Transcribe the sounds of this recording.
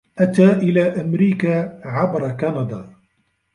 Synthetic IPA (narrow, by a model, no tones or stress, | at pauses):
ʔat̪aːʔɪlaːʔamɾiːkaːʕabɾˤɑkanɑd̪ˤɑː